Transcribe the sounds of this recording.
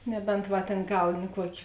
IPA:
ˈnʲæːbʲɛnt ˈʋɐ tʲeːn ˈɡɐʊnʲɪ ˈkuɔkʲeː

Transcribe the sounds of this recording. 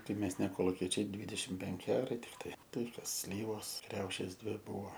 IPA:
tɐɪ ˈmʲɛs nʲɛ koːlˠʊˈkʲiɛt͡ʃʲɛɪ ˈdʲʋʲiːdʲɛʃʲɪm ˈpʲɛŋʲkʲɪ ˈɑːrɐɪ tʲɪkˈtɐɪ ˈtɐɪ ˈkɐs ˈsʲlʲiːʋoːs ˈkrʲɛʊʃʲeːs ˈdʲʋʲɪ ˈbʊʋoː

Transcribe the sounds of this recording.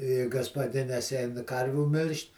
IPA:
ɪ ɡɐspɐˈdʲɪnʲeːs ˈɛɪn ˈkɐrʲʋʲuː ˈmʲɪlʲʃʲtʲ

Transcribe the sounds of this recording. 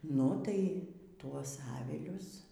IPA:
ˈnʊ tɐɪ ˈtuɔs ˈɑːʋʲɪlʲʊs

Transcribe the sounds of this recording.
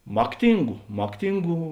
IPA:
ˈmɑːkˌtʲɪŋɡʊ ˈmɑːkˌtʲɪŋɡuː

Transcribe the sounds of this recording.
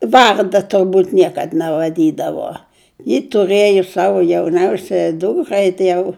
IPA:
ˈʋɐrdɐ tʊrˈbuːt ˈnʲiɛkɐt nʲɛʋɐˈdʲiːdɐʋoː jɪ tʊˈrɘjoː ˈsɑːʋoː jɛʊˈnʲɛʊsʲɛjɛ ˈduːkrɐɪ tɐɪ ˈjɛʊ

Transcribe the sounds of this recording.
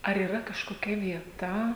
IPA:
ɐr iːˈrɐ kɐʃkoːˈkʲɛ ʋʲiɛˈtɐ

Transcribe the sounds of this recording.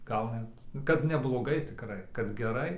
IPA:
ˈɡɐlˠ nʲɛt kɐt nʲɛblˠoːˈɡɐɪ tʲɪkˈrɐɪ kɐt ɡʲɛˈrɐɪ

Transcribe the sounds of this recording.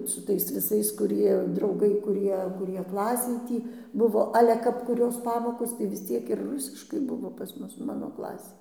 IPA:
sʊ ˈtɐɪs ʋʲɪˈsɐɪs kʊˈrʲiɛ drɐʊˈɡɐɪ kʊˈrʲiɛ kʊˈrʲiɛ ˈklˠɑːsʲeːj ˈtʲiː ˈbʊʋoː ˈɑːlʲɛ kɐp kʊˈrʲoːs ˈpɑːmoːkoːs tɐɪ ʋʲɪs ˈt͡sʲiɛk ɪr ˈrʊsʲɪʃkɐɪ ˈbʊʋoː pɐs ˈmʊs ˈmɑːnoː ˈklˠɑːsʲeːj

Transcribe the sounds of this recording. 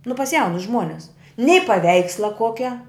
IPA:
nʊ pɐs ˈjɛʊnʊs ˈʒmuɔnʲɛs nʲɛɪ pɐˈʋʲɛɪkslˠɐ ˈkuɔkʲɛ

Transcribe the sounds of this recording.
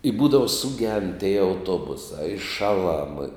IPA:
ɪ ˈbuːdɐʋɐ sʊˈɡʲɛnt tʲiɛ ɐʊˈtoːbʊsɑː ɪ ˈʃɑːˌlˠɐm

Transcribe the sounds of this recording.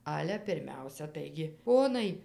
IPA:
ˈɑːlʲɛ pʲɪrʲˈmʲɛʊsʲɛ ˈtɐɪɡʲɪ ˈpoːnɐɪ

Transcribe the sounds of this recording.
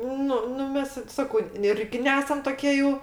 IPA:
ˈnʊ nʊ ˈmʲɛs ˈsɑːkɐʊ ˈɪrʲɡʲɪ ˈnʲæːsɐm toːˈkʲiɛ jɛʊ

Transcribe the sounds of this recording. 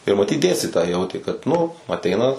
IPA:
ɪr mɐˈtʲiːt ˈdʲeːsʲtʲɪtoːjɛɪ ˈjɛʊtʲeː kɐt ˈnʊ ɐˈtʲɛɪnɐ

